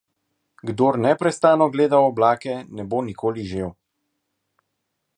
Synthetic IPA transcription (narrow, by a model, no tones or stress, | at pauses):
ɡd̪oːɾnɛpɾɛst̪aːnɔɡleːd̪awɔblaːkɛnɛboːnikoːliʒeːw